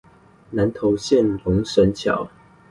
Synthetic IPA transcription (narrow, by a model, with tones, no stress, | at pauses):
na˨˦nt̪ʰo˨˧˦ʊɕjɛ˥˨nlʊ˨˦ŋʂə˨˦nt͡ɕʰjɑ̰˨˩˦ʊ